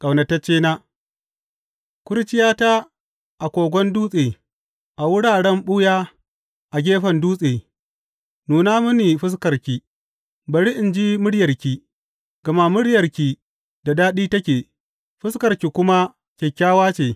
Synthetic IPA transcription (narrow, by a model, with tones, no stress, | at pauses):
kʼɐ˨wnɐ˨tɐ˦t͡ʃːeː˦naː˦ | kʷʊ˦ɾt͡ʃɪ˦jaː˦ta˦ | ʔa˨kʷoː˨ɡʷɔ˦nduː˦sʼeː˨ | ʔa˨wʊ˦ɽaː˨ɽɛ˦mɓʊ˦jaː˦ | ʔa˨ɡʲeː˦ɸɐ˨nduː˦sʼeː˨ | nuː˨naː˦mʊ˦ni˨ɸɪ˦s̬kɐ˨ɾkʲi˨ | bɐ˨ɽi˦ʔɪ˨nd͡ʒi˦mʊ˦ɽjɐ˨rkʲiː˨ | ɡ̥ɐ˨ma˦mʊ˦ɽjɐ˨rkʲiː˨ | da˨daː˦ɗiː˦tɐ˦kʲeː˨ | ɸɪ˦skɐ˨ɾkʲi˨kʷʊ˦ma˦ | kʲe˨kʲːaː˦waː˦t͡ʃeː˨